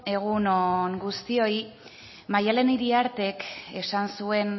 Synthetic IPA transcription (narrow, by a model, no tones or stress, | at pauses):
e̞ɣ̞unoŋɡust̪io̞j | majale̞niɾiaɾt̪e̞ke̞sansue̞n